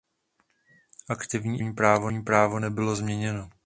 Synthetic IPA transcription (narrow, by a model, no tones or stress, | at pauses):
ʔakt̪ɪvɲiːɲiːpɾaːvoɲiːpɾaːvo̞nɛbɪlo̞zmɲɛɲɛno